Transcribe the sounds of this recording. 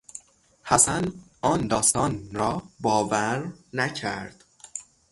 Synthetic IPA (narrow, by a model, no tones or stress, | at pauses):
hæsænɒːnd̪ɒːst̪ɒːnɾɒːbɒːvæɾnæcʰæɾd̪̥